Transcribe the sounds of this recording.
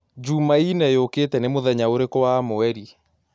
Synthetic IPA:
d͡ʒumainɛjokeːtɛnemoðɛɲaoɾekɔwamoɛɾi

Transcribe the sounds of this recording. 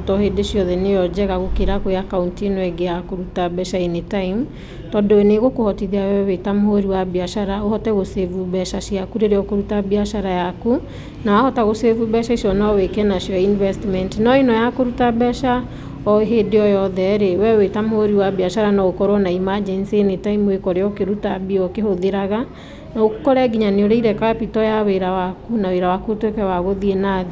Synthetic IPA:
tɔhedeʃijɔðɛnejɔd͡ʒɛɣaɣokeɾakojakauntienɔɛɡejakoɾutabɛʃaenetaim | tɔdoɛneɣokohɔtiðiawɛwetamohoɾiwabiaʃaɾaohɔtɛɣosevubɛʃaʃiakuɾeɾeɔkoɾutabiaʃaɾajaku | nawahɔtaɣosevubɛʃaiʃɔnaɔwekɛnaʃjɔinvɛstmɛntnɔinɔjakoɾutabɛʃa | ɔɦedeɔjɔðɛɾewɛwetamooɾiwabiaʃaɾanaokɔɾwɔnaimad͡ʒɛnsienetaimwekɔɾeɔkeɾutabiɔkehoðeɾaɣa | naokkɔɾɛɡiɲaneoɾeiɾɛkapitɔjaweɾawakunaweɾawakutwekɛwaɣoðienaːði

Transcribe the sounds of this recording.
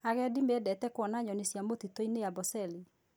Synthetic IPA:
aɣɛdimedɛtɛkwɔnaɲɔnisjamotitoinejabɔsɛli

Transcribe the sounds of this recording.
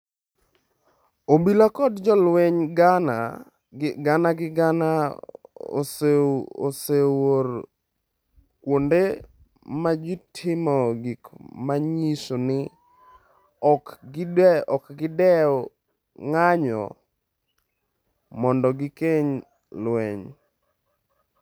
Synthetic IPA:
obilakɔdd͡ʒɔlweɲɡana | ɡanaɡɪɡana | o̰so̰sewor | kwonde | mad͡ʒɪtʰɪmɔɡikmaɲisonɪ | ɔkɡɪdɛɔkɡɪdɛɔ | ŋaɲɔ̰ | mɔndɔɡɪkeɲ | lweɲ

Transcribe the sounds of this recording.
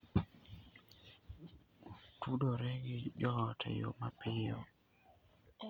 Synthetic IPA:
tudoɾɛɡɪd͡ʒɔtʰɛ̰jo̰mapɪjo̰

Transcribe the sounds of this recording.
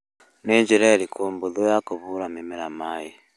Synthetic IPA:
neɲd͡ʒiɾeɾikʰoːmbuðojakoβuɾamemeɾamaːji

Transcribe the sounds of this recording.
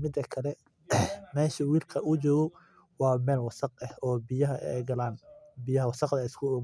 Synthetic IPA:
mɪd̪ːɐkʰɐlɛ | mɛːʃɐwiːlkʰɐʔʊt͡ʃɔːɣɔ | wɑːmɛːlwɑsɑq̚ɛhɔːbɪjɐɦɐʔɛ̰ːɡɐlaːnbɪjɐɦɐwɑsɑqd̪ɐɪskʰʊʊm

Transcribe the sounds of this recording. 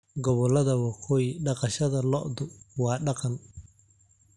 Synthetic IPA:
ɡɔβɔlɐðɐwɑqʰɔːjɖɑqɑʃɐðɐlɔ̰ʔd̪ʊwɑːɖɑqɑn

